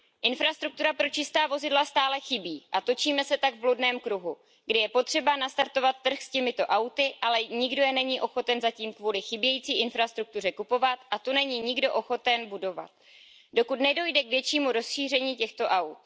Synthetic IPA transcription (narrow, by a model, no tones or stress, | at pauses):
ʔɪnfɾast̪ɾuk̚t̪uɾapɾo̞t͡ʃɪst̪aːvo̞zɪdlast̪aːlɛxɪbiːʔat̪o̞t͡ʃiːmɛsɛt̪aɡvlodnɛːmkɾuɦu | ɡdɪjɛpo̞t̪r̥ɛbanast̪aɾt̪o̞vat̪ːr̩xscɛmɪt̪o̞ʔawt̪ɪʔalɛɲɪɡdo̞jɛnɛɲiʔo̞xo̞t̪ɛnzaciːmkvuːlɪxɪbjɛjiːt͡siːʔɪnfɾast̪ɾuk̚t̪ur̝ɛkupo̞vat̪ʔat̪onɛɲiːɲɪɡdo̞ʔo̞xo̞t̪ɛnbudo̞va̰t̪̚ | do̞kut̪nɛdo̞jdɛkvjɛt͡ʃiːmuɾo̞sʃiːr̝ɛɲiːcɛxt̪o̞ʔawt̪̚